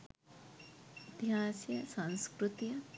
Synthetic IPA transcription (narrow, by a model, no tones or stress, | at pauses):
t̪jaːsjɐsãnskɾut̪ijɐ